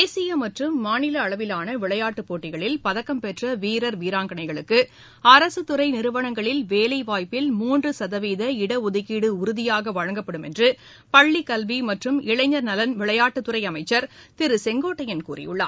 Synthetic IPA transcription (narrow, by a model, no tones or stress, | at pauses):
eːsɪjɐmɐʈrɯmːaːnɪlɐːɭɐʋɪlaːnɐʋɪɭɐjaːʈːɯpːoːʈːɪɣɐɭɪlpɐðɐkːɐmpɛʈrɐʋiːɾɐɾʋiːɾaːŋɡɐɳɐɪɣɐɭɯkːɯ | ɐɾɐsɯt̪ːɯɾɐɪnɪɾɯʋɐɳɐŋɡɐɭɪlʋeːlɐɪʋaːjpːɪlmuːndrɯsɐðɐʋiːðɐɪɽɐʊðɯɣiːɽɯʊɾɯðɪjaːɣɐʋɐɻɐŋɡɐpːɐɽɯmɛ̰ndrɯ | pɐɭːikɐlʋimɐʈrɯmɪɭɐɪɲɐɾnɐlɐnʋɪɭɐjaːʈːɯt̪ːɯɾɐɪɐmɐɪt͡ʃːɐɾt̪ɪɾɯsɛŋɡoːʈːɐjɪnkṵːrɪ̰jɯ̰ɭːa̰ː